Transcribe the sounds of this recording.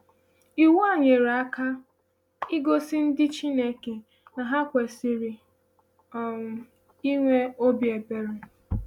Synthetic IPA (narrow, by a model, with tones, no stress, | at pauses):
i˨wa˦˨ɲe˨ɾa˦ka˦ | i˦ɡo˦sɪ˦n̩˦dɪ˦t͡ʃi˦ne˦ke˨ | na˨ɦa˦kʷe˨si˨ɾi˨ | ɔ˨ŋʷʊ˨ | i˦ŋʷe˦o˦bje˨be˨ɾe˨